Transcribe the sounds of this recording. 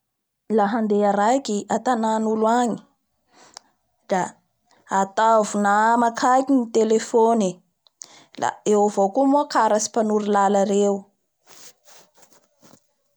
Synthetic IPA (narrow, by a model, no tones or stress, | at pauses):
laɦand̪eaɾajkiʔat̪ananuluaɲi̥ | d̪̥aː | t̪avunaamakʰakinit̪elefoni | la̰ewavokumukaɾasi̥panuɾilalaɾewu